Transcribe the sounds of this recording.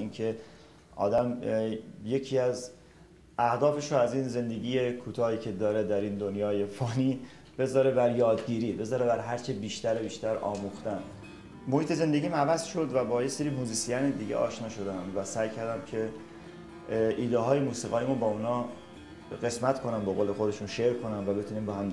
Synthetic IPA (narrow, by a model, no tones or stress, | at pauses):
iːnkʰe̞ | ʔɒ̰ːd̪æm | je̞cʰiːæz | æhd̪ɒːfe̞ʃoæziːnze̞nd̪e̞ɡiːje̞kʰuːt̪ʰɒːhiːcʰe̞d̪ɒːɾed̪æɾiːnd̪onjɒːje̞fɒːniː | b̥e̞zɒːɾe̞bæɾjɒːd̪ɟiːɾiːbe̞zɒːɾebæɾɦæɾt͡ʃʰebiːʃt̪æɾebiːʃt̪æɾɒ̰ːmuxt̪æn | mo̞hiːt̪ʰe̞ze̞nd̪eɟʲiːmævæzʃo̞d̪væbɒːje̞seɾiːmuːziːsijæned̪iːɟḛʔɒːʃnɒːʃo̞d̪eæmvæsæjcʰæɾd̪æmcʰe̞ | ʔiːd̪eɦɒːjemuːsiːɣɒːjimunbɒːunɒː | ɢe̞smæt̪kʰo̞næmbeɣoːle̞xo̞d̪e̞ʃunʃeɾkʰo̞næmvæbe̞t̪ʰuniːmbehæm